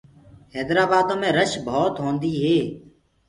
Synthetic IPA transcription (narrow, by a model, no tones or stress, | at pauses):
hɛːd̪ɾaːbaːd̪õːmẽːɾəʃbʱoːt̪ɦõːnd̪iːɦeː